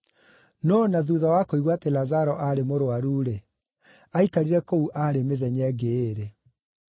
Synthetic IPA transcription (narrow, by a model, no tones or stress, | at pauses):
nɔnaðuðawakoiɣwatelazaɾɔʔaɾemoɾoaɾuːɾe | aikaɾiɾɛkouʔaɾemeðɛɲɛːɡeːɾe